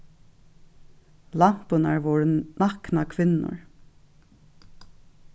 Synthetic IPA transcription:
lɑm̥pʊnaɹʋɔːɹnɑknakʰʋɪnːʊ̰ɹ

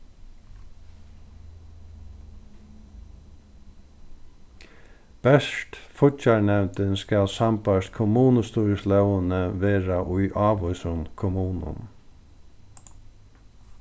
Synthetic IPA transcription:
b̥ɛʂt̪fʊtaɹɳɛʋnt̪ɪnskælsampaʂkʰʊmuːnəst̪uːɹəslœwənəʋeːɹaʔʊjʔɑːʋʊsʊnkʰʊmuːnʊ̰n

